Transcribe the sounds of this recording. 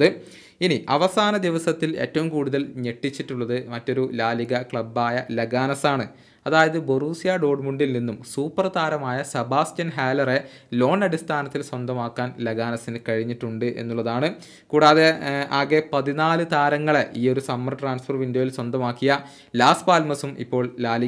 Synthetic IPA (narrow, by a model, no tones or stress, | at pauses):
ðɨ | iniʔɐʋɐsaːnɐd̪iʋɐsɐt̪ːile̞ːtːɐʋumkuːɽuðɐlɲe̞ʈːit͡ɕːiʈːuɭːɐðɨmɐtːo̞ɾulaːliɡɐkɭɐbːaːjɐleɡaːnɐsaːɳɨ | ɐðaːjɐðɨboruːsijaːɖo̞ːɖmuɳɖilninːumsuːpːɐrt̪aːɾɐmaːjɐsɐbaːstjɐnɦaːlɐre | lo̞ːnɐɽist̪ʰaːnɐt̪ːilswɐnd̪ʱɐmaːkːaːnleɡaːnɐsinɨkɐɻiɲːiʈːuɳɖɨʔe̞̰nːuɭːɐðaːɳɨ | kuːɽaːðe̞aːɡepɐðinaːlɨt̪aːɾɐŋːɐɭeʔiːo̞ɾusɐmːɐrʈraːnsfɐrʋindojilswɐnd̪ʱɐmaːkːijɐ | laːspaːlmɐsumʔḭpːo̞ːɭlaːli